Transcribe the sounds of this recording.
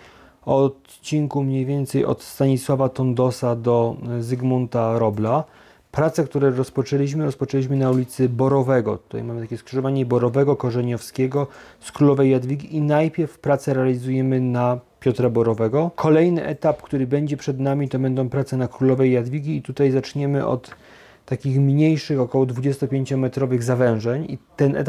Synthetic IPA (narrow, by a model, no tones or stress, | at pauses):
ɔt̪ | t͡ɕiŋkumɲejvʲjɛnt̪sɛjɔ̰t̪st̪aɲiswavat̪ɔnd̪ɔsad̪ɔzɘɡmɔnt̪aɾɔbla | pɾat̪sɛkt̪uɾɛɾɔspɔt͡ʂɛlʲiɕ̬mɘɾɔspɔt͡ʂɛlʲiɕ̬mɘnaulʲit̪sɘbɔɾɔvɛɡɔ̰t̪u̥t̪a̰jmamɘt̪akʲɛskʂɨʐɔvaɲɛbɔɾɔvɛɡɔkɔʐɛɲɔfskʲɛɡɔskɾulɔvɛjːad̪vʲiɡʲiʔinajpʲjɛɾfpɾat̪sɛɾɛalʲizujɛmɘnapʲjɔt̪ɾabɔɾɔvɛɡɔkʰɔlɛjnɘʔɛt̪apkt̪uɾɘbɛɲd͡ʑɛpʂɛd̪namʲit̪ɔbɛnd̪ɔ̃w̃pɾat̪sɛnakɾulɔvɛjːad̪vʲiɡʲiːt̪ut̪ajzat͡ʂɲɛmɘʔɔ̰t̪ː | akʲixmɲejʂɘxɔkɔwɔd̪vud͡ʑest̪ɔpʲjeɲt͡ɕɔmɛt̪ɾɔvɘɣzavɛ̃w̃ʐɛɲit̪ɛnʔɛ̰t̪